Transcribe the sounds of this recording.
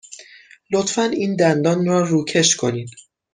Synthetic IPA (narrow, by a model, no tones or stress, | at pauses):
lot̪fæniːnd̪ænd̪ɒːnrɒːɾuːcʰe̞ʃkʰo̞niːd̪̥